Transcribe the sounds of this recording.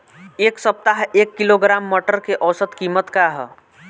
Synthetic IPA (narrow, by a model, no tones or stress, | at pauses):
eːksəp̚t̪aɦeːkːɪloɡɾaːmːəʈəɾkeʔɔːsət̪kiːmət̪kaɦɛ